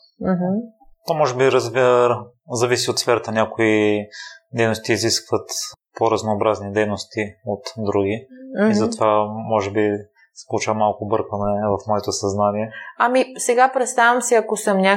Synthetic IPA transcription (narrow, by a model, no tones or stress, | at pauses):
m̩ɦm̩ | t̪omɔʒɛbiɾəzɛ | zɐvisiot̪sfɛɾət̪ənʲakoi | d̪ɛjnost̪iːziskvət̪poɾɐznoːbɾaznid̪ɛjnost̪iot̪d̪ɾuɡiizɐt̪ovamɔʒɛbi | sɛ̥polˠot͡ʃavɐmalˠkʊbɤɾkvɐnɛvɐfmɔɛt̪osɐznaniɛɐmisɛɡapɾɛt̪st̪avʲɐmsiɐkosəmnʲa